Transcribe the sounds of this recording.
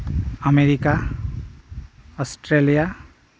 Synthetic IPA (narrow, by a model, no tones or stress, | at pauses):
əmeɾika | ɔsʈɾelija